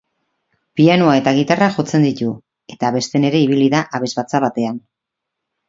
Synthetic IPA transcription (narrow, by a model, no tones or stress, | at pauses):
pianoae̞t̪aɣ̞it̪araʝo̞t͡se̞nd̪it̪u | e̞t̪aβe̞st̪e̞ne̞ɾe̞iβ̞iliðaʔaβe̞zβat͡saβat̪e̞an